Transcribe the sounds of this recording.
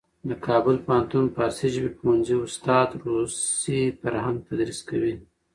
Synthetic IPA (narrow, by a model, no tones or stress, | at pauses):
d̪əkʰɑbʊlpɑnt̪unpɑsiʒbipmund͡ʒiʊst̪ɑd̪ɾusifaɾhaŋɡ̚t̪ad̪ɾiskawi